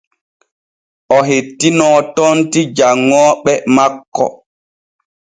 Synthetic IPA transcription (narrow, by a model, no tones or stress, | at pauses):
ʔɔɦetːinɔːtɔntid͡ʒaŋːɔːɓɛmakːɔ̰